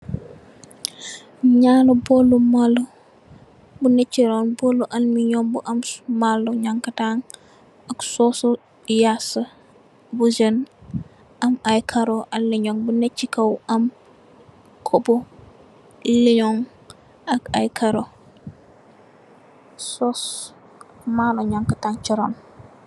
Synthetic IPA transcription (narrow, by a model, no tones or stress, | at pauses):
ɲanobolumalo | bunet͡ʃːiɾonbolːuʔanmiɲombuʔammalːoɲaŋkataŋ | aksoso | jasɐ | bud͡ʒən | ʔɐmajkʰaɾoʔaliɲoŋbunet͡ʃːikɐwɐm | kʰobo | liɲoŋ | akajkʰaɾo | sos | maloɲaŋkətaŋt͡ʃiɾon